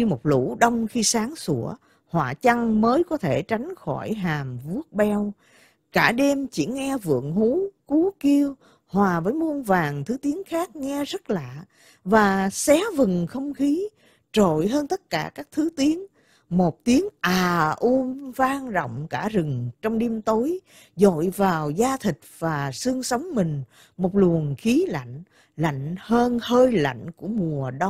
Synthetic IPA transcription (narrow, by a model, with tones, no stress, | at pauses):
i˧mo˨˩t̚lṵ˧˥ɗə˧wŋ͡mxi˧saː˨˦ŋsu˧˩ə | hwa̰ː˧˨˩t͡ɕa˧ŋməː˨˦jkɔ˨˦t̪ʰe˧˩t͡ɕa˨˦jŋ̟xɔ˧˩jɦaː˨˩mvu˦˥ət̚ɓɛ˧w | kaː˧˩ɗe˧mt͡ɕḭ˧˩ŋɛ˧vɨ̰˧˨əŋɦu˨˦ku˨˦ki˧əw | hwaː˨˩vəː˨˦jmu˧ənvaː˨˩ŋt̪ʰɨ˨˦t̪i˨˦əŋxaː˦˥k̚ŋɛ˧zə˦˥t̚la̰ː˧˨ | vaː˨˩sɛ˨˦vɨ˨˩ŋxə˧wŋ͡mxi˨˦ | t͡ɕo̰˧˨jɦəː˧nt̪ə˦˥t̚kaː˧˩kaː˦˥k̚t̪ʰɨ˨˦t̪i˨˦əŋ | mo˨˩t̚t̪i˨˦əŋʔaː˨˩ʔu˧nvaː˧ŋzɔ̰˧˨wŋ͡mkaː˧˩zɨ˨˩ŋt͡ɕɔ˧wŋ͡mɗi˧mt̪o˨˦j | zo̰˧˨jvaː˨˩wzaː˧t̪ʰï˨˩k̟̚vaː˨˩sɨ˧əŋsə˨˦wŋ͡mmï˨˩ŋ̟ | mo˨˩t̚lu˨˩ənxi˨˦la̰˧˨jŋ̟ | la̰˧˨jŋ̟həː˧nhəː˧jla̰˧˨jŋ̟ku˧˩əmu˨˩əɗa˧